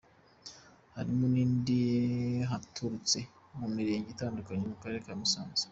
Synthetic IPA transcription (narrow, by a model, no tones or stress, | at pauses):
haɾimuniːndijeɦatʰuɾut͡se | mumiɾe̞ːɲɟitaːndukaɲemukaɾeɾekamisaːnze̥